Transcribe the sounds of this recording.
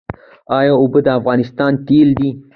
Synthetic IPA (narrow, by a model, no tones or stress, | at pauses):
ɑjɑʊbəd̪əafɣɑnɪst̪ɑnt̪eld̪i